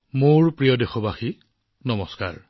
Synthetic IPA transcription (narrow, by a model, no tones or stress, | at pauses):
moɹpɹijɔdexɔbaxi | nɔmɔska̰ɹ